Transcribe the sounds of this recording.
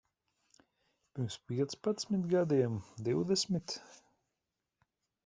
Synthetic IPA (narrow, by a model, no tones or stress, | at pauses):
pʲiɾmspʲiɛt̪spat̪sʲmit̪ɡad̪iɛmd̪iwd̪ɛsmʲit̪